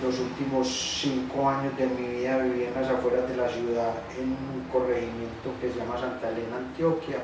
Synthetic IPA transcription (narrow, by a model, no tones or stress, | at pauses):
losult̪imosːiŋkoaɲozd̪emiβiaβiβjenasafweɾaðelasjuðað | enũŋkoreximjẽ̞nt̪okezʝamasant̪alenãnt̪jokja